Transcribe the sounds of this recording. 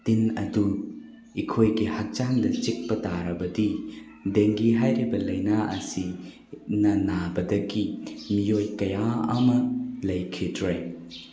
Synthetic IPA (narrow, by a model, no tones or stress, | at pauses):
tinɐ̰du | ikʰojɡihɐk̚t͡ʃaŋdɐt͡ʃik̚pɐtaɾɐbɐdi | deŋɡiɦajɾibɐlɐjnaʔɐ̰si | nɐnabɐdɐɡimijojkɐjaɐmɐlɐjkʰidɾoj